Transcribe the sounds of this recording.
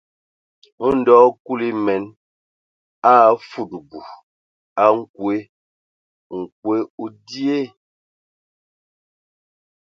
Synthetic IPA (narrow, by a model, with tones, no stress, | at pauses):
u˦n̩˨˦dɔː˦ku˦li˦mɛ˨˦n | a˦˨˦fu˦˨tbu˨ | a˦ŋ̩˦kwe˦ | ŋ̩˨k̚we˦u˦di˦e˦